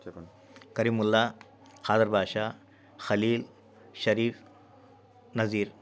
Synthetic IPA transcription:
kɐɾiːmulːa | kaːd̪əɾbʱaːʃa | xɐliːl | ʃɐɾiːf | nɐziːɾ

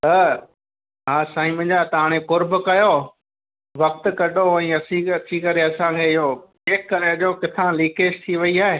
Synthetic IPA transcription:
t̪ɐ | ɦaːsaːĩmɪ̃d͡ʑat̪ɐɦaːɽ̃ekʊɾbkɐjo | ʋɐk̚t̪̆kɐɗoɛ̃ːɐsĩɐt͡ɕikɐɾeɐsãkʰeːɪɦo | eːkkːɐɾeɐʄoːkɪt̪ʰãliːkeːʃt̪ʰiʋɐiaːɦeː

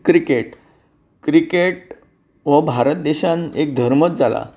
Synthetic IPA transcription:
kɾikeʈ | kɾikeʈ̚ | ʋəbʱaɾət̪̚d̪eɕãnek̚d̪ʱəɾmət̪̚d͡zala̰

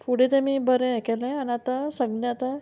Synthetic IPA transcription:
fuɽet̪emibəɾẽekelẽanat̪asəɡnɛat̪a

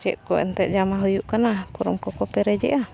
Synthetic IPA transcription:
d͡ʒɛ̰ʔkɔʔɛ̰nt̪ɛʔd͡ʒamaɦujuʔkanapɔɾɔmkɔkɔpɛɾɛd͡ʒɛ̰ʔa

